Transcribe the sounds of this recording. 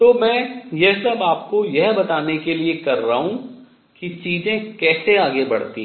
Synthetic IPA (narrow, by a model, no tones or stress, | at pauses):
t̪oːmɛ̃ːjɛɦsɐbaːp̚kojɛɦbɐt̪aːnekeliekɐɾːɐɦũ | kit͡ʃiːzẽkɛːseaːɡebɐ̰ɽ̤t̪ḭ̃ː